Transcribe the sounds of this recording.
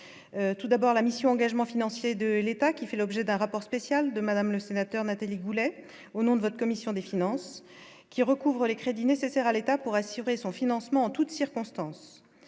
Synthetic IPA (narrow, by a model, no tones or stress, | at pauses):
øt̪ud̪abɔʁlamisjɔ̃ɑ̃ɡaʒmɑ̃finɑ̃sjed̪əlet̪akʲifɛlɔbʒɛd̪ɛ̃ʁapɔʁspesjald̪əmad̪amləsenat̪œʁnat̪aliɡulɛ | onɔ̃d̪əvɔt̪χəkɔmisjɔ̃d̪efinɑ̃s | kʲiʁəkuvʁəlekχed̪inesesɛʁalet̪apuʁasyʁesɔ̃finɑ̃smɑ̃ɑ̃t̪ut̪siʁkɔ̃st̪ɑ̃s